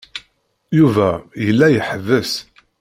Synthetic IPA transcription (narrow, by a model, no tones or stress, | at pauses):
juvæjəlːæjəħəvəs